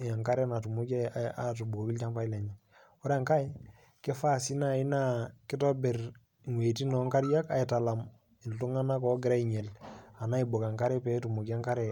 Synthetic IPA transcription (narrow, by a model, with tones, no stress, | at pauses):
a˨ŋka˦ɾɛ˦na˨tu˨mu˦kɛ˦a˦tu˨bo˨ki˦lt͡ʃa˦mpa˦i˦lɛ˨ɲɛ˨ | ɔ˦ɾa˨ŋka˦j | kɛ˦fa˦˨si˦na˨ɪ˦na˦kɪ˦tɔ˦bɛ˨r | ŋwe˨ti˦nɔ˨˦ŋka˦ɾja˦ka˨i˨ta˨la˨m | i˨ltu˦ŋa˦na˦kɔ˨ɡɪ˨ɾa˦iɲɛ˨la˨na˦i˨bo˨ka˨ŋka˦ɾɛ˦pɛ˨tu˨mu˨ki˦a˦ŋka˦ɾɛ˨